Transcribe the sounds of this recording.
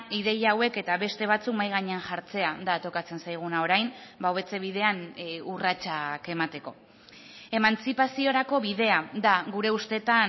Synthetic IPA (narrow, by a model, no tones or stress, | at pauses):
iðe̞jaːwe̞ke̞t̪aβe̞st̪e̞β̞at͡sukmajɣaɲe̞anʝaɾt͡se̞ad̪at̪o̞kat͡se̞nsajɣ̞unao̞ɾajnbawβe̞t͡se̞β̞ið̞e̞anurat͡ʃake̞mat̪e̞ko̞ | e̞mant͡sipasio̞ɾako̞βiðe̞ad̪aɣuɾe̞ust̪e̞t̪a